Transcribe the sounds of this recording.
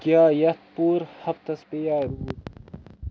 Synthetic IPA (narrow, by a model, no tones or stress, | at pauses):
kjaːjɐt̪̚puːɾhɐft̪ɐspejaːɾuːt̪